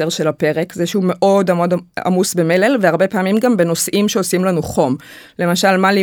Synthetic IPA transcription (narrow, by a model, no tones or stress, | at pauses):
eʁʃe̞lape̞ʁe̞kzeʃeume̞ʔo̞damo̞da̰musbe̞me̞lelveaʁbe̞paːmimɡambe̞no̞sʔimʃeosimlanuχo̞m | le̞maʃalmali